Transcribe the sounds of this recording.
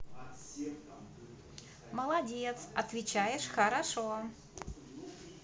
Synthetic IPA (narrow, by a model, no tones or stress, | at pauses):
məlˠɐdʲet̪sɐt̪vʲɪt͡ɕajɪʂxəɾaʂo